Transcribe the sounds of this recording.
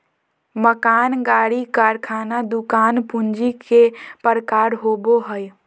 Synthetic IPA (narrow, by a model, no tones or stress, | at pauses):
məkaːnɡaːɽikaːɾkʰaːnad̪ukaːnpund͡ʒikepəɾəkaɾɦoboɦəj